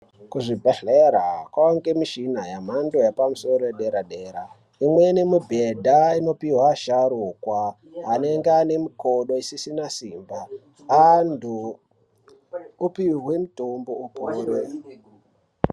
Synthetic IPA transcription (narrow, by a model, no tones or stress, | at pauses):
kuʐibʱeɬeɾakwaoŋɡe̞miʃinajam̤ando̞japamuso̞ɾoeɗe̞ɾaɗe̞ːɾa | imwe̞nemubʱedʱaino̞piwaʃaɾukwaː | ne̞ŋɡeane̞miko̞ɗo̞isisinasiːmba | andʱu | piɦwe̞mutomboupuːɾe